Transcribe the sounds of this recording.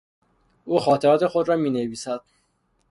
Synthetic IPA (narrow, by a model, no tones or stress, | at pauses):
uːxɒːt̪ʰeɾɒːt̪ʰe̞xod̪ɾɒːmiːneviːsæd̪̥̚